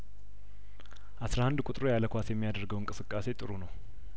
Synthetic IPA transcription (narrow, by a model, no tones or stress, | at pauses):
ʔasɾahand̪kʼut̪ʼɾojaləkʷasjɛmːijad̪əɾɡəwɨŋkʼɨsɨkʼːase̞t̪ʼɨɾunəw